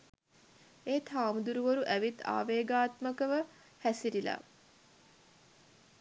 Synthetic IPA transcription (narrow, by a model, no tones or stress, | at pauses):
eːt̪ʰaːmud̪uɾuʋoɾuʔæʋit̪a̰ːʋeːɡaːt̪məkəʋə | hæsiɾila̰